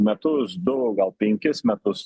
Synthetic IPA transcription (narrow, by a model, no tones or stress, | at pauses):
mʲɛt̪ʊsd̪ʊɡɐlˠpʲɛŋʲkʲɪsmʲɛt̪ʊs